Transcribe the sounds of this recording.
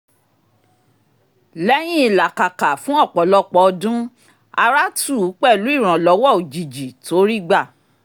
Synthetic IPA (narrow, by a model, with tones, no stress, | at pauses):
lɛ˦j̃ĩ˦i˨la˨ka˨ka˨fũ˦ɔ˦˨k͡pɔ˨˦lɔ˦k͡pɔ˧ɔ˧dũ˦ | a˧ɾa˦tu˦˨˦k͡pɛ˦˨lu˨˦i˦˨ɾ̃ã˨lɔ˨˦wɔ˦˨o˨d͡ʒi˨d͡ʒi˨to˦ɾi˦ɡ͡ba˦˨